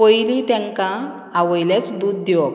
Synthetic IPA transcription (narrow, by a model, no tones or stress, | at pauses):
əjlit̪jɛ̃ŋkã | aʋəjljat͡sd̪ud̪ːewɔ